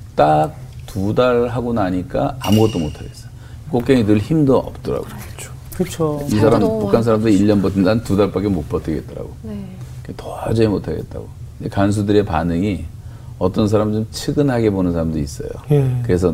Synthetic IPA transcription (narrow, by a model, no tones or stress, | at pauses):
t͈ak̚tudaɭɦaɡonaɲik͈aamuɡʌt͈omotʰaɡe̞s͈ʌjo | k͈ok͈̚eŋinɯɭçimdoʔʌp̚t͈ʌɾa̰ɡoet͡ɕʰo̥ | kɯt͡ɕʰoisʰaɾampukʰansʰaɾamdɯiʎːʌnbʌtʰɯndantudaɭp͈ak͈emok̚p͈ʌtʰɯɡe̞t̚t͈ʌɾa̰ɡoɯetʌad͡ʑʌemotʰaɡe̞̰t̚t͈a̰ɡo | ndekans̬ʰudɯɾe̞panɯŋi | ʌt͈ʌns̬ʰaɾamdɯnt͡ɕʰɯɡɯnɦaɡe̞bonɯnsʰaɾamdois͈ʌ̰jo̰kɯɾe̞sʰʌ